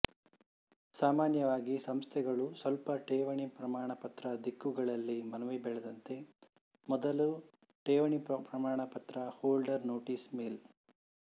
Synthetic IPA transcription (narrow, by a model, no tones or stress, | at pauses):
saːmaːnjɐʋaːɡisɐmst̪ʰɛɡɐɭusʋɐlpɐʈeːʋɐɳipɾɐmaːɳɐpɐt̪ɾɐd̪ikːuɡɐɭɐlːimɐnɐʋebɛɭɛd̪ɐnt̪e̞ | mɔd̪ɐlu | ʈeːʋɐɳippɾɐmaːɳɐpɐt̪ɾɐhoːlɖɐɾnoːʈiːsmeːl